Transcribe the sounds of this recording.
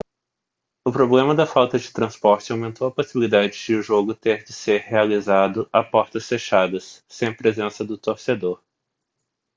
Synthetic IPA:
ʊpɾoblẽmɐd̪ɐfawt̪ɐd͡ʒɪt̪ɾɐ̃spɔɾt͡ʃɪawmẽnt̪owɐposibilid̪ad͡ʒɪd͡ʒɪʊʒoɡʊt̪eɾd͡ʒɪseɾhealizad̪ʊʔapɔɾt̪ɐsfeʃad̪ɐsːẽj̃pɾezẽsɐd̪ʊt̪oɾsed̪oɾ

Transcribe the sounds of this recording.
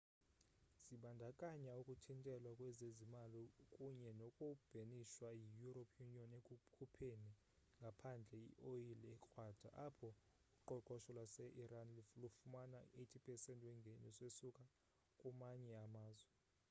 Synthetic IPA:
z̥iɓandʱakʼaɲaukʼutʰintʼɛlwakʼwɛzezimalikʼuɲɛnɔkʼub̥ʱeniʃwajijuropʰjuniɔnekʼkʰupʰeni | ŋɡʱapʰand͡ɮʱɛiʔojilɛkʼwaːd̥ʱa̰ʔapʰɔ | uǃɔǃɔʃɔlwasɛʔiɾanlilufumanaetʰipʼʰɛsɛntʼwɛŋɡʱenisesukʼa | kʼumaɲɛamaːzwɛ

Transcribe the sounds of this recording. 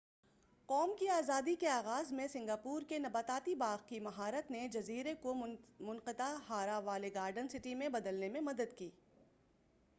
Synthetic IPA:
qɔːmkiaːzaːd̪ikeaːɣaːzmẽsɪ̃ŋɡaːpuːɾkenɐbaːt̪aːt̪ibaːɣkimɐɦaːɾət̪ned͡ʒɐziːɾekomʊnqɪt̪aɦaːɾaʋaːleɡaːɾɖənsɪʈimẽbɐd̪əlnemẽmɐd̪əd̪kiː

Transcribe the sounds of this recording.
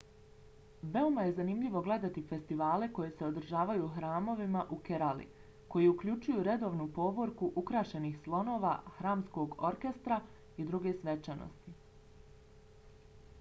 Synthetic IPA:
ʋe̞omaje̞zanimʎʲiʋo̞ɡle̞d̪at̪ife̞st̪iʋaːle̞ko̞je̞se̞o̞d̪ɾ̩ʒaːʋajuːxɾaːmo̞ʋimaʔukeɾalḭ | ko̞jiukʎʲut͡ʃujuɾe̞d̪o̞ːʋnupo̞ʋo̞ɾkuʔukɾaːʃe̞nixslˠo̞no̞ːʋa̰ːxɾaːmsko̞ːɡo̞ɾke̞st̪ɾa | id̪ɾuɡe̞sʋe̞t͡ʃano̰st̪i

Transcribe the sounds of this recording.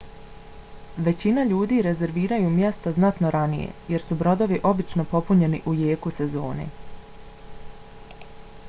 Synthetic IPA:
ʋe̞t͡ɕinaʎuːd̪iːɾe̞ze̞ɾʋiːɾajumje̞st̪oznat̪no̞ɾanijḛje̞ɾsubɾo̞d̪o̞ʋiʔo̞bit͡ʃno̞po̞puɲe̞nḭʔujeːkuse̞zo̞ːnḛ

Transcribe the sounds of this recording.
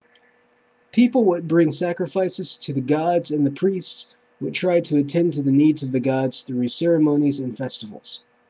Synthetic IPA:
pʰipl̩ˠwəd̚bɹɪ̃ŋsækɹɨfaɪsɨz̥tʰɨðɨɡɑdzɨ̃nðɨpʰɹ̥ists | wəd̚tʰɹ̥aɪtʰɾʰɨːtʰɛ̃ntʰɨðɨnidzʌvðɨɡɑdz̥θɹʉsɛɹɨmõʊ̃nizɨ̃nfɛstəvl̩ˠz̥

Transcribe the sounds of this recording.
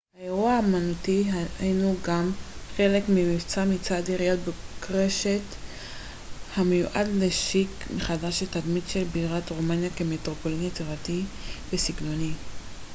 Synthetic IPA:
haeʁuaːmanutiinuɡamχe̞le̞kmimit͡samit͡sadiʁijot̚bekʁe̞ʃet | hamejuʔa̰dleʃikmeχadaʃet̪admidʃelbiʁatʁomanjakemetʁopo̞linjet͡sivativesiɡno̞ni

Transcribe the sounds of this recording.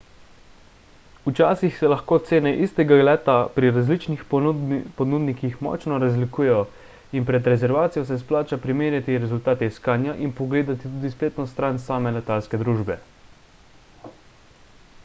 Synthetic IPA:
ut͡ʃaːsixsɛlaxkoːt̪seːnɛʔist̪ɛɡaɡlɛːt̪apɾiɾazlit͡ʃnixpɔnuːd̪nikixmɔ̰t͡ʃnɔɾazlikuːjɛjɔ | inpɾɛd̪ɾɛzɛɾʋaːt̪sijɔs̬ɛs̬plaːt͡ʃapɾimeːɾjat̪iɾɛzult̪aːt̪ɛiskaːnjaʔinpɔɡleːd̪at̪it̪uːd̪ispleːt̪nɔst̪ɾansaːmɛlɛt̪alskɛd̪ɾuːʒbɛ

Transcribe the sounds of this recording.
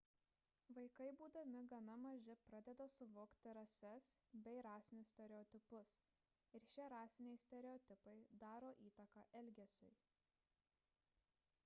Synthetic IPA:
ʋɐɪkɐɪbuːd̪ɐmʲɪɡɐnɐmɐʒʲɪpɾɑd̪ʲɛd̪ɐsʊʋoːkt̪ʲɪɾɐsʲɛsbʲɛɪɾɑːsʲɪnʲʊssʲt̪ʲɛɾʲɛɔːt̪ʲɪpʊs | ɪɾʃʲɪɾɑːsʲɪnʲɛɪsʲt̪ʲɛɾʲɛɔt̪ʲɪpɐɪd̪ɑːɾoːʔiːt̪ɐkɑʔɛlʲɡʲɛsʲʊ̰ɪ

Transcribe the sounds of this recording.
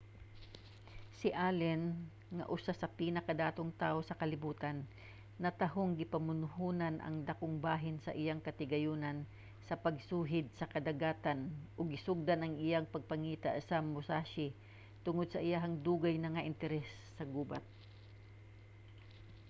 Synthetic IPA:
sɪʔalɛn | ŋɐ̰ʔʊsasɐpiːnɐkɐd̪aːt̪oŋt̪aːʔosɐkɐlɪbuːt̪anː | ɐt̪ɐɦoŋɡɪpɐmʊnʊɦuːnɐnʔɐ̰ŋd̪ɐkoŋbaːɦɪnsɐ̰ʔɪjaŋkɐt̪ɪɡɐjuːnɐn | sɐpɐɡ̚suːɦɪd̪̚sɐkɐd̪ɐɡaːt̪anʔoɡɪsʊɡ̚d̪anɐŋɪjaŋpɐɡ̚pɐŋiːt̪a̰sɐmʊsaʃɪ | t̪ʊŋod̪sɐʔɪjaɦɐŋd̪uːɡajnɐŋaʔɪnt̪ɛɾɛsːɐɡuːba̰t̪̚

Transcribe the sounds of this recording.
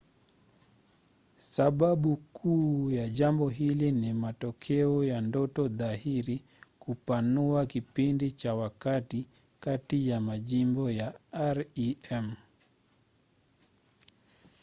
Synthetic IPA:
saɓaɓukʰuːjaʄambɔɦilinimatɔkʰɛɔjandɔtɔðaɦiɾi | kupanuakipindit͡ʃawakati | katijamaʄimbɔjaaɾiɛm

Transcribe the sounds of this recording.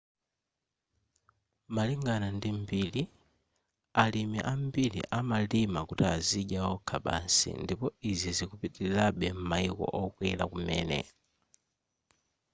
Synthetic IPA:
maliŋɡanandimbiːli | alimɛ̰ʔambilḭʔamalimakutiaziʄawɔkʰaɓa̰nsḭndipɔizizikupitiilaɓɛm̩maikɔ̰ʔɔkwɛlakumɛːnɛ̰

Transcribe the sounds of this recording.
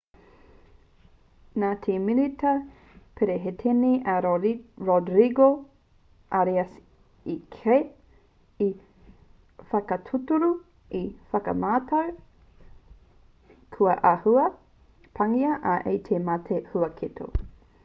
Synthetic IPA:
naːtʰemilitɐ | pʰeɾeɦetʰeniʔɐɾodɾiɡo | ʔaɾiɐs | ikʰe | i | fɐkɐtʰutuɾu | ifɐkɐ̰maːtʰɐw | kʰuɐʔahuɐ | pʰɐŋiɐʔɐʔejtʰemɐtʰehuɐkʰitʰo̰

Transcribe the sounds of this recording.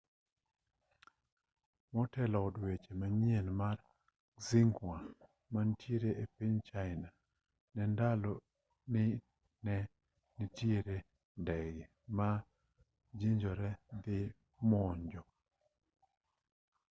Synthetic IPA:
mɔtɛlɔːdwet͡ʃemaɲienmar | ziŋɡwa | mantjeɾeepiɲt͡ʃaɪna | nɛndalɔ | nɪ | nɛ | nitjeɾe | ndɛɡɪ | ma | d͡ʒiɲd͡ʒɔɾɛd̪ɪ | mɔɲd͡ʒɔ

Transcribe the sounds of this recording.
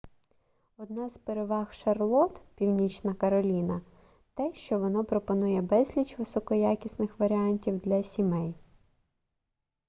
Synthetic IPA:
ɔd̪nɑzpeɾeʋɑxʃɐrlˠɔt̪pʲiwnʲit͡ʃnɐkɐɾɔlʲinɐ | t̪ɛʃt͡ʃɔʋɔnɔpɾɔpɔnujɛbɛzʲlʲit͡ʃʋɪsɔkɔjakʲisnɪxʋɐɾʲɪɑnʲtʲiwd̪lʲɐsʲimɛj

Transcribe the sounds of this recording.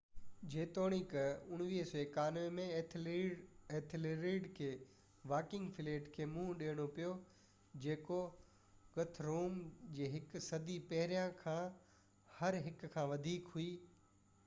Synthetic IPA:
d͡ʑeːt̪oːɽ̃ikəʊɽ̃ʋiːɦseːkaːnemẽ | eːt̪ʰɪleɾiːɖkʰeː | ʋaːkɪ̃ŋɡfɪleːʈkʰeːmũːɗeːɽ̃opijo | d͡ʑeːko | ɡɐt̪ʰɾoːmd͡ʑeːɦɪksɐd̪ipɐɦɪɾijãkʰãː | hɐɾɦɪkkʰãːʋɐd̪ʱiːkɦuiː

